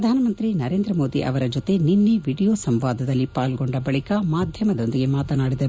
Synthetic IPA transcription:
ɾpɐd̪ʱaːnɐmɐnt̪ɾinɐɾe̞ːnd̪ɾɐmoːd̪iʔɐ̰ʋɐɾɐd͡ʒot̪e̞ninːeʋiːɽijoːsɐmʋaːd̪ʱɐd̪ɐlːipaːlɡo̞ɳɖɐbɐɭikɐmaːd̪ʱjɐmɐd̪o̞nd̪iɡe̞maːt̪ɐnaːɽid̪ɐ

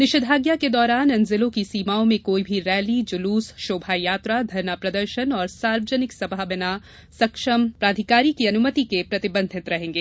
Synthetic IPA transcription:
nɪʃəd̪ʱaːɡjaked̪ɔːɾaːnɐ̃nzɪlõkisiːmaːõmẽkoːibʱiɾɛːlid͡ʒʊluːsʃoːbʱajaːt̪ɾad̪ʱɐɾnapɾɐd̪əɾʃənɔːɾsaːɾʋəd͡ʒənɪksɐbʱaːbɪna | sɐkʃəmpɾaːd̪ʱɪkaːɾikiɐnʊmət̪ikepɾɐt̪ɪbə̃nd̪ʱɪt̪ɾɐɦẽːŋɡeː

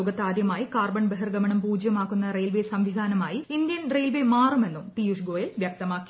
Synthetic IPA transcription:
oːɡɐt̪ːaːd̪jɐmaːjikaːrbɐɳbeɦɐrɡɐmɐɳɐmpuːd͡ʑjɐmaːkːunːɐrejlʋesɐmʋid̪ʱaːnɐmaːjiind̪jɐnrejlʋemaːrume̞nːump̪ijuʂɡoːjɐlʋjɐk̚t̪ɐmaːkːi

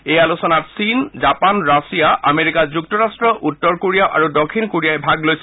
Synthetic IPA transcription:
ejalusɔnatsinzapanɹasijaʔameɹikazuk̚tɔɹastɹɔʔutːɔɹkoɹijaʊʔa̰ɹudɔkʰːinkoɹijajbʱaɡlojs

